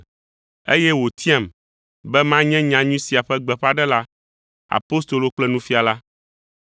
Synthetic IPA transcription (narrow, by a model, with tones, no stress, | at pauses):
ḛ˦jɛ˦wo˨t̪ʰi˦ã˨m | bɛ˦mã˦ɲɛ̃˦ɲã˨ɲũ˦si˨a˨ɸɛ˦ɡ͡bɛ˨ɸa˦ɖɛ˦la˦ | a̰˨po˦st̪o˨lo˨k͡plɛ˦nũ˦fi˦a˨la˦